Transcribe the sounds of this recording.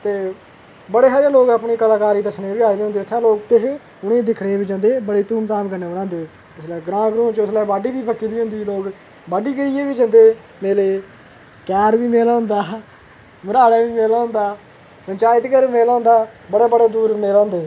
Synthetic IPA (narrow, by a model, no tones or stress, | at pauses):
t̪eː | bəɽeːɦəãːloːkaːpɳiːkəlaːkaːɾiːd̪əsnẽːbiːaːiːd̪eːɦʊnd̪eːt̪ʰːãːloːk̚t̪ɪʃ | ʊɽẽːd̪ɪkʰɽeːbiːd͡ʒãnd̪eːbəɽeːt̪uːmt̪aːmkəɾneːɽ̃ãːnd̪eː | ʊslɛːɡɾãːɡɾũːt͡ʃʊslɛːbaːɖiːʋiːbəkːiːd̪iːɦʊ̃nd̪iːloːk | baːɖiːɡəɾiːeːbiːd͡ʒãnd̪eː | meːleː | kɛːɾʋiːmeːlaːɦʊ̃nd̪aː | məɾaːɽaːʋiːmeːlaːɦʊ̃nd̪aː | pənt͡ʃaːɪt̪kɛːɾmeːlːʊ̃ːnd̪aːbəɽaːbəɽaːd̪uːɾmeːlːnd̪eː